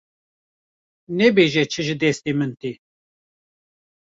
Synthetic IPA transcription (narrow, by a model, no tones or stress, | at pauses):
nɛbeːʒɛt͡ʃʰɨʒɨd̪ɛst̪imɨnt̪i